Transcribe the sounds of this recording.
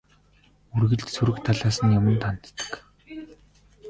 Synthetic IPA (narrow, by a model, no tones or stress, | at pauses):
urɣɘ̆ɮt̪suɾɘ̆kt̪ʰaɮaːsə̆njamə̆nt̪ʰan̆t̪ːə̥̆k